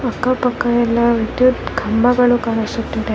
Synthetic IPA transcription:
ɐkːɐpɐkːɐjɛlːɐʋid̪jut̪ɡʱɐmbʱɐɡɐɭukaːɾisut̪ːid̪e

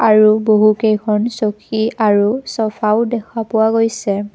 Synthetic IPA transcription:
aɹuboɦukejkʰɔnsokʰiaɹusɔfʰaʊdɛkʰapʊwaɡojsɛ

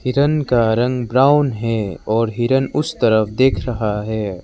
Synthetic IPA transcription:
hɪɾənkaɾɐ̃ŋɡbɾaːʊnɦɛɔːɾɦɪɾənʊst̪ɐɾəfd̪eːkʰɾɐɦaɦɛː

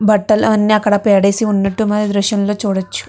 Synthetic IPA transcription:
bɐʈːɐlɐnːiɐkːɐɽɐpɛːɽeːsiunːɐʈːumɐːd̪ɐd̪ɾuʃɐnlo̞ːt͡ʃuːɽɐt͡ʃːu̥

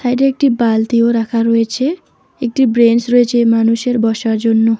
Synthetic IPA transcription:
sajʈeek̚ʈibalt̪ioɾakʰaɾoet͡ʃʰe | ek̚ʈibɾensɾoet͡ʃʰemanuseɾbɔsaɾd͡ʒonːo

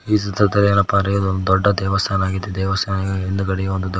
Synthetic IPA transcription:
iːs̬ɐd̪ʱɐɾd̪ɐlɛɐnːɐpaːɾɐjod̪ond̪ud̪ɔɖːɐd̪ɛːʋɐst̪ʰaːnaːɡid̪ːed̪ɛːʋɐst̪ʰaːnɐɡɐend̪ukɐɽiɡeond̪ud̪

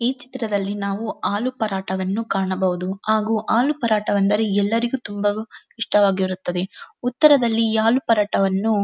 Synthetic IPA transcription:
iːt͡ʃi̥t̪ɾɐd̪ɐlːinaːʋuaːlupɐɾaːʈɐʋɐnːukaːɳɐbɐʋud̪uhaːɡuːʔaːlupɐɾaːʈɐʋɐnd̪ɐɾeɛlːɐɾiɡut̪umbɐ | iʂʈɐʋaːɡiɐɾut̪ːɐd̪e̞ut̪ːɐɾɐd̪ɐlːiaːlupɐɾaːʈɐʋɐnːu

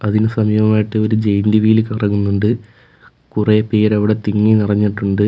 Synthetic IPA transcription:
ɐðinɨsɐmjʋɐmaːjiʈːɨo̞ɾud͡ʑejnd̪iʋijilkɐrɐŋːunːuɳɖɨ | kurepeːɾɐʋiɽe̞t̪iŋːinirɐɲːiʈːuɳɖɨ

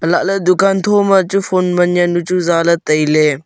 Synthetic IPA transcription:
əlaʔled̪ukʰant̪ʰɔmɐt͡ʃupʰɔnmɐnjɐnːut͡ʃuzalɐt̪ɐjle

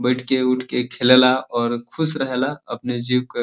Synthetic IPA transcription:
bəɪʈʰkeuʈʰkekʰelelaɔːɾkʰusɾəɦelaəpned͡ʒiwke

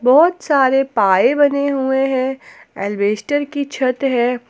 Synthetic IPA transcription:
bɔːt̪saːɾepaːebɐneɦueɦɛ̃ | ɛːlbeːsʈəɾkit͡ʃʰɐt̪ɦɛ̃ː

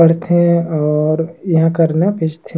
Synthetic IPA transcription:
əɽ̤t̪ʰẽɔːɾjɐɦãkəɾnapɪt͡ʃt̪ʰe

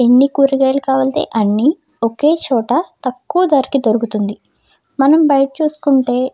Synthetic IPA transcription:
enːikuːɾiɡeːlɐkaːʋɐld̪ḛːʔɐnːi | oke̞ːt͡ʃɔːʈɐt̪ɐkːuʋɐd̪aːɾikid̪oɾuɡut̪und̪i | mɐnɐmbɐjɐʈɐt͡ʃuːsu̥kuɳʈe̞ː

